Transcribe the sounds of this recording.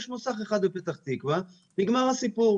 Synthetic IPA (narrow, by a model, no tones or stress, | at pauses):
ʃmusaχeχad̪bepet̪aχt̪ikva | b̥iɡmaʁasipuʁ